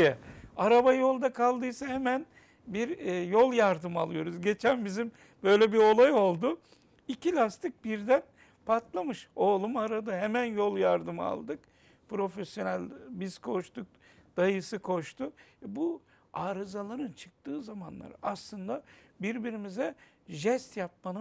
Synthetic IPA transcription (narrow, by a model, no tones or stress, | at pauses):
jɛaɾabajo̞lˠd̪akʰalˠd̪ɯjsahemæn | biɾjolˠjaɾd̪ɯmalˠɯjo̞ɾuzɟe̞t͡ʃʰænbizim | bø̞jlʲɛbiɾo̞lˠajo̞lˠd̪ʊ | icʰilʲast̪ʰɯk̚biɾd̪æn | pʰat̪lˠamɯʃoːlˠumaɾad̪ɯɦemænjolˠjaɾd̪ɯma̰lˠd̪ɯk | pɾo̞fesjo̞nælʲbizkʰo̞ʃt̪uk̚ | d̪̥ajɯsɯkʰo̞ʃt̪ʰʊbu | aːɾɯzalˠaɾɯnt͡ʃʰɯ̥k̚t̪ɯːzamanlˠa̰ɾɯaslˠɯnd̪abiɾbiɾimizɛ | ʒɛst̪jap̚manɯ